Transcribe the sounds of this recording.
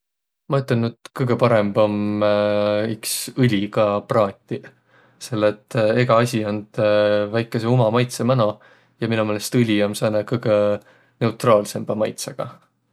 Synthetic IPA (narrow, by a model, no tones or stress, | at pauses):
mɑyt̪ːˑenyd̪̥kɯjɡ̥e̞pɑɾe̞mb̥om | yksɯlʲiɡ̥ɑprɑːt̪ʲːi | se̞lːet̪ːe̞ɡ̥ɑɑsʲiond̪̥væjkːˑe̞se̞umɑmɑjt̪semæno | jɑminumelest̪ɯlʲiomsɑːnekɯjɡ̥e | ne̞ut̪rɑːlse̞mb̥ɑmɑjt̪sɑɡ̥ɑ